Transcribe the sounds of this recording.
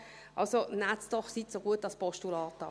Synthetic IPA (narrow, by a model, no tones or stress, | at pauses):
ʔɑ̰lsonatsd̥̪ɔχsitsoɡuət̚ːɑspɔʃtulɑːt̪ɑ